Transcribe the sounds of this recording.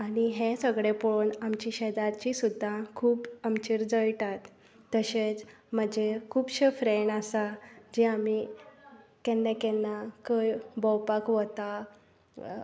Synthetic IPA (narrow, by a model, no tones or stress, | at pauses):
aɽiɦẽsəɡɽepoɭoɳamt͡ɕiɕɛd̪aɾt͡ɕisud̪ʱːakʰuːpəmt͡ɕiɾd͡zəjʈat̪ː | əɕet͡s | m̤əd͡ʑekʰuːpɕəfɾeɳasad͡ʑiami | kɛnːɛ̃kɛnːakəjbɔwpakʋət̪a